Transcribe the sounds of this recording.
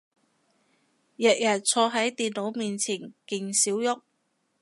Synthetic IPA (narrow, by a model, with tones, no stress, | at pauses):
jɛ˨k̚jɐ˨t̚t͡sʰɔː˧ɦɐ˨˥jt̪iː˨nno˨˥wmiː˨nt͡sʰiː˨˩nkɪ˨˩ŋsiː˨˥wjʊ˥k̚